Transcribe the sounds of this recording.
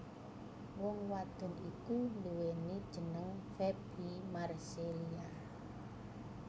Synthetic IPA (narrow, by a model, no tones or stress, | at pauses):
wɔŋwad̪̥ɔ̤nikunduwenid̥ʒ̥ə̤nəŋfeb̥imarselia